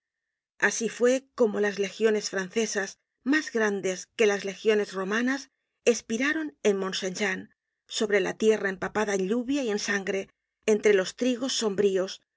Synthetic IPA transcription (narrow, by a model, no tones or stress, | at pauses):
asifwe̞ko̞mo̞lazle̞xjo̞ne̞sfɾanθe̞sas | mazɣɾand̪e̞ske̞lazle̞xjo̞ne̞zro̞manas | e̞spiɾaɾo̞ne̞nmõ̞nsenʃan | so̞βɾe̞lat̪je̞raempapaðaenɲʎuβjaie̞nsaŋɡɾe̞ː | nt̪ɾe̞lo̞st̪ɾiɣo̞sːo̞mbɾio̞s